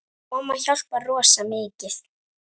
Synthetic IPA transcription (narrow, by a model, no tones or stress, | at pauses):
ɔmaçal̥parɔːsamɪːcɪθ